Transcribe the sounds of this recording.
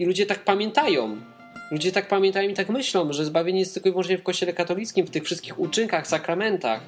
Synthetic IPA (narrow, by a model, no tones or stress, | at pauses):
ilud͡ʑɛt̪ak̚pamʲjɛnt̪ajɔ̃w | lud͡ʑɛt̪ak̚pamʲjɛ̃nt̪ajɔ̃mit̪akmɘɕlɔ̃w̃ʐɛzbavʲjeɲɛjɛst̪ːɘlkɔivwɔnt͡ʂɲɛfkɔɕt͡ɕɛlɛkat̪ɔlʲit̪skʲimft̪ɘxfʂɘst̪̚kʲixut͡ʂɘŋkaxsakɾamɛnt̪a̰x